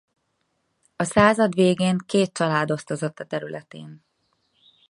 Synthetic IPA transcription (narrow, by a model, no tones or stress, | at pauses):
ɒsaːzɒd̪ʋeːɡeːŋkeːt̪̚t͡ʃɒlaːd̪o̞st̪o̞zo̞t̪ːɒt̪ɛɾylɛt̪ḛːn